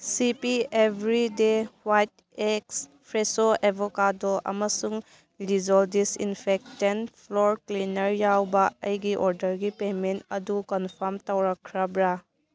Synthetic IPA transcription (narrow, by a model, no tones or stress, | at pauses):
sipiebʱɾidewajt | eks | pʰɾesoebʱɔkadɔʔɐ̰mɐsuŋ | lid͡ʒɔldisḭnpʰek̚tenpʰlɔɾklinɐɾjawbɐɐjɡiʔɔɾdɐɾɡipementɐdukɔnpʰɔɾmtawɾakʰːɾabɾa